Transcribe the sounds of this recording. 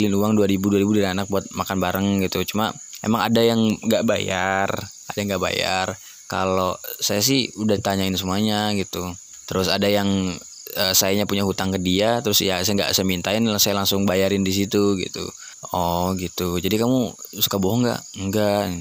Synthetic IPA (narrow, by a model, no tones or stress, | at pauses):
lɪnuaŋduaɾibuduaɾibudaɾianak̚buat̪̚makanbaɾaŋɡit̪ut͡ʃuma | ḛmaŋa̰dajaŋɡaʔba̰jar | adajaŋɡaʔba̰ja̰r | ka̰losajas̬ɪhudadit̪aɲaɪnsəmuaɲaɡit̪u | t̪əɾʊsadajaŋ | əsajaɲapuɲaɦut̪aŋkədiat̪əɾʊsjasajaŋɡa̰ʔsajamint̪aɪnlasajalaŋsʊŋbajaɾɪndis̬it̪uɡḭt̪ṵ | ɔɡit̪ud͡ʒadikamusu̥kaboɦɔŋɡa̰ʔəŋɡa